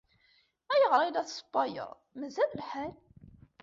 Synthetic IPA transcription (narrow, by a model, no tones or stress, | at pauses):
æjəʁɾˤilæθsˤbːɑjə̰ðˤmæzællħæn